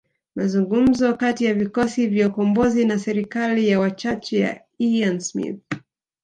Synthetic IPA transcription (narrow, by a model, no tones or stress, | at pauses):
mazuŋɡum̩zɔkatijavikɔsivjaukɔmbɔzinasɛɾikalijawat͡ʃat͡ʃɛja̰ | iansmḭθ